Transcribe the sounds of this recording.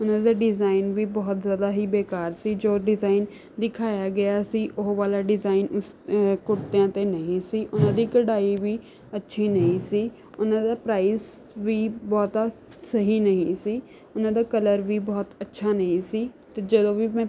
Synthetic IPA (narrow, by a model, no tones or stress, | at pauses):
ʊnãːd̪aːɖɪzaːɪnʋiːbɔːt̪zjaːd̪aːɦiːbeːkaːɾsiːd͡ʒoːɖɪzaːɪn | d̪ɪkʰaːjaːɡɪjaːsiːʔʊɦʋaːlaːɖɪzaːɪnʊskʊɽt̪eãːt̪eːnəɦĩːsiːʔʊnãːd̪iːkəɽaːiʋiː | ətːʃʰiːnəɦĩːsiː | ʊnãːd̪aːpɾaːis | ʋiːbɔːt̪a | səɦiːnəɦĩːsiː | ʊnãːd̪aːkələɾʋiːbɔːt̪ətːʃʰaːnəɦĩːsiːt̪eːd͡ʒəd̪õːʋimɛ̃ː